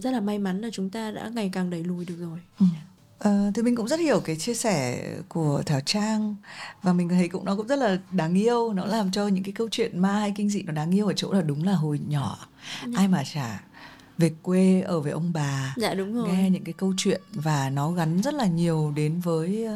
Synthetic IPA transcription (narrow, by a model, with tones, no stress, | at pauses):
zə˦˥t̚laː˨˩ma˧jma˨˦nlaː˨˩t͡ɕʊ˨˦ŋ͡mt̪aː˧ɗa̰ː˧˥ŋa˨˩jkaː˨˩ŋɗə˨˩jlu˨˩jɗɨ˨˩ək̚zo˨˩j | ʔəː˨˩t̪ʰi˨˩mi˨˩ŋ̟kʊ̰˧˥ŋ͡mzə˦˥t̚hi˧˩əwkaː˨˦jt͡ɕi˧əsɛ˧˩ku˧˩ət̪ʰaː˨˩t͡ɕaː˧ŋvaː˨˩mi˨˩ŋ̟˨˩t̪ʰə˨˦kʊ̰˧˥ŋ͡mnɔ˨˦kʊ̰˧˥ŋ͡mzə˦˥t̚laː˨˩ɗaː˨˦ŋʔi˧əwnɔ˨˦laː˨˩mt͡ɕɔ˧ɲɨ̰˧˥ŋkaː˨˦kə˧wt͡ɕwḭ˧˨ənmaː˧ha˧jkï˧ŋ̟zḭ˧˨nɔ˨˦ɗaː˨˦ŋʔi˧əwʔəː˧˩t͡ɕo̰˧˥laː˨˩ɗʊ˨˦ŋ͡mlaː˨˩ɦo˨˩jɲɔ˧˩˨ | ʔaː˧jmaː˨˩t͡ɕaː˧˩ | ve˨˩kːwe˧ʔəː˧˩ve˨˩ʔə˧wŋ͡mɓaː˨˩a̰˧ɗʊ˨˧˦ŋ͡mŋɛ˧ɲɨ̰˧˥ŋkaː˨˦jkə˧wt͡ɕwḭ˧˨ənvaː˨˩nɔ˨˦ɣa˨˦nzə˦˥t̚laː˨˩ɲi˨˩əwɗe˨˦nvəː˨˦j